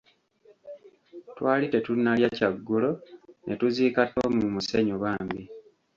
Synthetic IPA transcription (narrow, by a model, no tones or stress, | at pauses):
twaːlite̞tunːaljacaɡːulo̞nʔḛtuziːkato̞mumuseɲoβaːmbi